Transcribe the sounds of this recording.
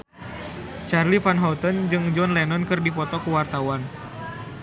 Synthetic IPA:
t͡ʃarlifanɦɔt̪ənd͡ʒɨŋd͡ʒɔnlɛnɔnkɨrdipɔt̪ɔkuwart̪awan

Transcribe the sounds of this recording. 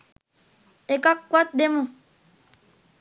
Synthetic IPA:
ekakʷɔt̚demũ

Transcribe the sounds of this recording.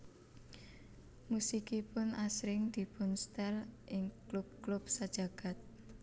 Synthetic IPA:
musikipʊnasɾɪŋd̪̥i̤pʊnst̪ɛlʔɪŋklub̚klub̚sad̥ʒ̥a̤ɡ̥a̤t̪̚

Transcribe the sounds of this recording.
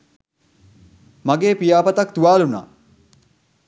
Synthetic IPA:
maɡeːpijaːpɐt̪ɐkt̪uʋaːluna̰ː

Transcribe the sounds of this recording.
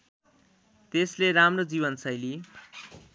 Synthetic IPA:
t̪esleɾamrod͡ziβʌnsʌjli

